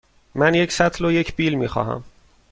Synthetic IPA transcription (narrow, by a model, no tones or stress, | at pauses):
mænjecʰsæt̪ʰloje̞cʰb̥iːlmiːxɒ̰ːɦæ̰m